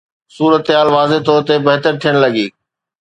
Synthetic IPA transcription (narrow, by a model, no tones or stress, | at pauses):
suːɾət̪ɦaːlʋaːzet̪oːɾt̪ebɐɦt̪əɾt̪ʰijəɽ̃lɐɠiː